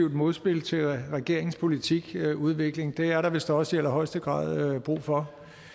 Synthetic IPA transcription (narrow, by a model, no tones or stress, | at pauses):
iʊd̥mo̝ðˠsb̥e̝l̰t͡sʰe̝lʁɛɡ̥e̝ɐ̰eŋspʰo̝lit͡sʰiɡ̥uð̞ˠʋe̝ɡ̥le̝ŋd̥e̝æɐɾɑ̈ʋe̝sd̥ɑɒ̽sielɐɦɒ̽ɪsd̥əɡ̥ʁɑ̰̈ːðˠøb̥ʁṵːfɒ̽